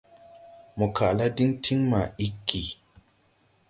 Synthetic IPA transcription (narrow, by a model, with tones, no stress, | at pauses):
mu˨kʰa˨la˦di˦ŋtʰi˦ŋma˨i˦kːi˨